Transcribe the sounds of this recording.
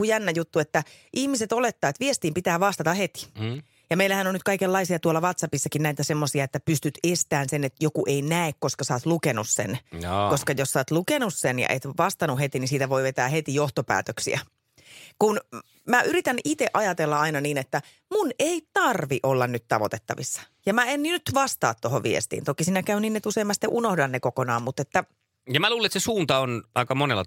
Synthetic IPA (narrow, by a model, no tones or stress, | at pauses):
ujænːæjut̪ːuet̪ːæʔihmiset̪olet̪ːɑːt̪ʋiest̪iːmpit̪æːʋɑst̪ɑt̪ɑhet̪i̥ | jɑmeilːˑæhænonyt̪kɑikelːɑisiɑt̪uolːɑʋɑt̪sɑpisːɑkinnæit̪æsemːosiɑet̪ːæpyst̪yt̪est̪æːnsenet̪jokuʔeinæekkoskɑsɑːt̪lukenussḛnkoskɑjossɑːt̪lukenussenjɑ̰ʔet̪ʋɑst̪ɑnuhet̪inisiːt̪æʋo̞iʋet̪æːhet̪ijoht̪opæ̰ːt̪øksḭæ̰ | kun | mæʔyɾit̪ænʔit̪eʔɑjɑt̪elːɑɑinɑniːnet̪ːæ | muneit̪ɑrʋiʔolːɑnnyt̪t̪ɑʋo̰t̪et̪ːɑʋisːɑ̥ | jɑmæenninyt̪ʋɑst̪ɑ̰ːt̪t̪oɦoʋiḛst̪ḭːnt̪okisiːnækæyniːnːet̪useimːɑst̪ːeʔunohdɑnːekokonɑːmmut̪et̪ːæ | jɑmæluːleet̪sesuːnt̪ɑonɑikɑmonelːɑ̰